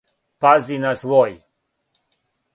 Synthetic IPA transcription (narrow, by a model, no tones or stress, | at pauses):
pazinasʋoj